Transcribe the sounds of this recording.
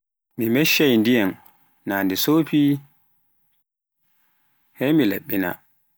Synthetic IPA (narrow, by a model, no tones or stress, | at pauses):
mimɛʃːajndijan | naːndisoːpi | hɛmilḛɓːina̰